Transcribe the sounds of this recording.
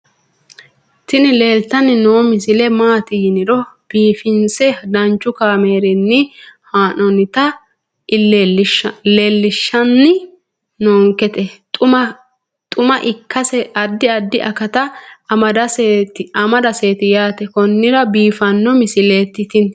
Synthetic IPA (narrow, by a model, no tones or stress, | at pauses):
t̪ɪnɪle̞ːlt̪ːɐnɪnoːmɪsɪlɛmaːt̪ɪjɪnɪɾɔb̥iːfɪnsɛd̪ɐnt͡ʃːʊkaːme̞ːɾɛnːɪhaːnɔnɪt̪ɐ | lːʃleːlːɪʃːɐnːɪ | noːŋkɛt̪ɛtʼʊm | t̪ʼʊmɐʔɪkːɐsɛɐd̪ːɪɐd̪ːɪʔɐkɐt̪ɐɐd̪ɐstɪɐmɐd̪ɐse̞ːt̪ɪjaːt̪ɛkɔnːɪɾɐbiːfɐnːɔmɪsɪleːt̪ːɪt̪ɪn